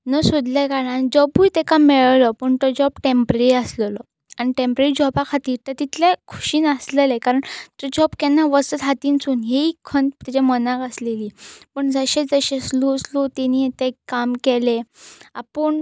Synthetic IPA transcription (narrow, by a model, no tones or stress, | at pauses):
nəsod̪lakananid͡ʑɔbujt̪ɛkamɛɭlɔpəɳt̪ɔd͡ʑɔbʈempɾəɾiəsləlɔ | aniʈempɾeɾid͡ʑɔbakʰat̪iːɾt̪ət̪it̪ʰlekʰu̥ɕiːnəslelekaɾəɳt̪ɔd͡ʑɔbkɛnːaʋəsət̪ɦat̪iːnt͡suːnɦeikʰənt̪t̪it͡ɕamənakəsleliːpəɳd͡zəɕed͡zəɕesloslot̪enit̪ekamkeleapəɳ